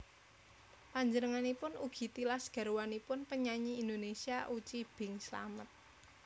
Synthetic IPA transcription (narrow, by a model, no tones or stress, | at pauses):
paɲd͡ʒənəŋanipʊnuɡ̥i̤t̪ilasɡ̥a̤ɾwanipʊnpəɲaɲiːnd̪onesiaʔut͡ʃib̥ɪ̤ŋsla̰mət̪̚